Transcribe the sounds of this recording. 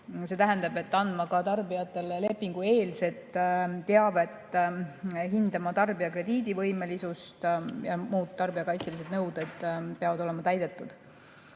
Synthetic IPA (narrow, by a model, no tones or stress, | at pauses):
se̞t̪æɦænd̪̥ɑbe̞t̪ːɑnd̪mɑkɑt̪ɑrbijɑt̪ːˑe̞lele̞pːˑiŋɡ̥ue̞ːlse̞t̪ːˑt̪ːe̞ɑve̞t̪ː | ɦind̪̥ɑmɑt̪ɑrbiɑkre̞d̪̥iːd̪ivɤ̞jme̞lisust̪jɑmuːt̪ːɑrbiɑkɑjt̪silis̬e̞d̪nɤwd̪̥ed̪̥̚peɑvɑd̪ole̞mɑt̪æjd̪e̞t̪ːˑud̪̥